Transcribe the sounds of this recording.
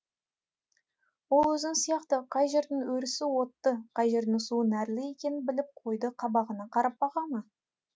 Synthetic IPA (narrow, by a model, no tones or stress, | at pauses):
wo̞lˠwɵzd̪ɪŋsijɑqt̪əqʰɑjʒe̞ɾd̪ɪŋwɵɾɪsɪwo̞t̪ːəqʰɑjʒe̞ɾd̪ɪŋsuənæɾlɪje̞kʲe̞nɪnbɪlɪp̚qʰo̞jd̪əqʰɑbɑʁənɑqʰɑɾɑp̚bɑʁɑmɑ